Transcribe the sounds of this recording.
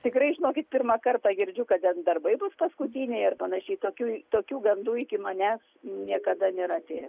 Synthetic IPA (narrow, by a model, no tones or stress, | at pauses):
t̪ʲɪkɾɐɪʒʲɪnoːkʲɪt̪̚pʲɪrmɐkɐrt̪ɑɡʲɪɾʲd͡ʒʲʊkɐtt̪ʲɛnd̪ɐrbɐɪbʊspɐskʊt̪ʲiːnʲɛɪɐrpɐnɐʃʲɛɪt̪oːkʲuːt̪oːkʲuːɡɐnd̪uːɪkʲɪmɐnʲæːs | nʲiɛkɐd̪ɐnʲeːɾɐt̪ʲeːjɛ